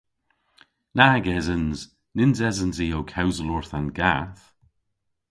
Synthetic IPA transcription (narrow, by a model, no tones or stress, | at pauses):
naɡɛzənz̥ | nɪnzɛzənziːowkʰawzəlɔɹθanɡaːθ